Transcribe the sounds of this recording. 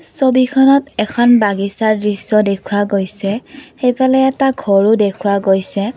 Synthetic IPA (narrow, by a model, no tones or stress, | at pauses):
sobikʰɔnɔtɛkʰɔnbaɡisaɹdɹisɔdekʰʊwaɡojsɛxejpʰalɛɛtaɡʱɔɹʊdekʰuwaɡojsɛ